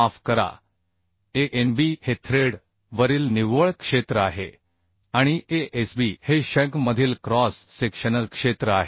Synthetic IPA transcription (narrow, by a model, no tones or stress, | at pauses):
afkəɾa̰ | eʔenbihet̪ʰɾeɽ | ʋəɾiːlniʋəɭkʂet̪ɾəaɦḛ | aɽ̃iʔeʔesbiheɕə̃kməd̪ʱiːlkɾɔsːekʂənəlkʂet̪ɾəaɦe